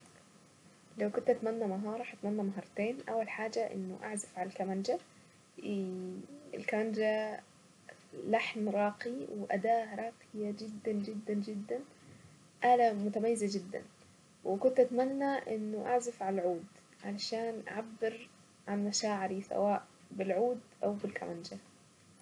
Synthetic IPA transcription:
lawkʊnt̪ʔat̪manːamaɦɑːɾˤɑħt̪manːamaɦɑɾˤt̪eːnʔa̰wːalħaːd͡ʒaʔɪ̰nːʊʔa̰ʕzafʕalalkamand͡ʒa | ɪ̰lkamand͡ʒa | laħmɾˤɑːqiwɪʔa̰d̪aːɾˤɑːqɪjad͡ʒɪd̪ːand͡ʒɪd̪ːand͡ʒɪd̪ːan | ʔalamʊt̪amajːɪzad͡ʒɪd̪ːa̰n | wɪkʊnt̪ʔat̪manːaʔɪnːʊʔaʕzafʕalalʕuːd̪ | ʕalaʃaːnʔa̰ʕabːɪɾ | ʕanmaʃaːʕɪɾisa̰waːʔ | bɪlʕuːd̪ʔawbɪlka̰mand͡ʒa

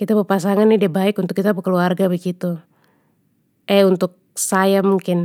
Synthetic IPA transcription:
kit̪apəpas̬aŋanːidiabaɪkunt̪ʊkːit̪apakəluarɡabəɡit̪u | ʔɛunt̪ʊk̚sajamuŋkɪn

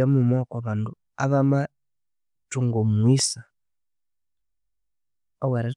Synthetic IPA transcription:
amumokaβaːndu | aβama | tuŋɡomwisa | owaɾa

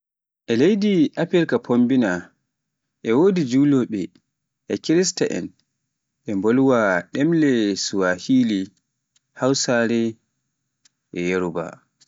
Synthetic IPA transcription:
ʔɛlejdiʔapiɾkapʰombina | ʔɛwoːdid͡ʒuːlɔɓɛ | ʔɛkiɾistaʔɛ̰n | ʔɛmboluwaɗɛmlɛsuwahiːli | hawsaɾɛ | ʔɛjeɾuba̰

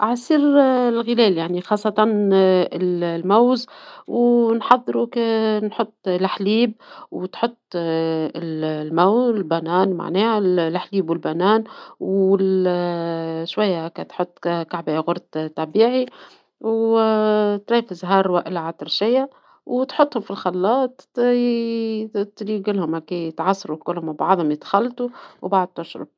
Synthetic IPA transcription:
ʔʕasiːɾlɣɪlɛːljaʕnixɑːsˤːɑt̪ˤɑnɪllmawzwnħɑðˤːɾuknħʊt̪ˤːlħliːb̚wt̪ħʊt̪ˤːɪllmawzlbænæːnma̰ʕnɛːhalħliːbwɪlbænæːnwɪl | ʃwajːakæt̪ħot̪ˤːkkaʕbaɣʊɾˤt̪t̪ɑbiːʕi | w | t̪ɾɑːfɪzɦɑːɾˤwaʔɪlʕat̪ɪɾˤʃɪjːa | wt̪ħot̪ˤːhʊmfilxɑlːɑːt̪ | t̪ɾiɡɪlːhʊmhækit̪ʕɑsˤːɑɾukʊlːhʊmabɑ̰ʕd̪ˤhʊmjɪd̪xalːt̪uwbaʕd̪̚t̪ːʊʃɾʊ̰b

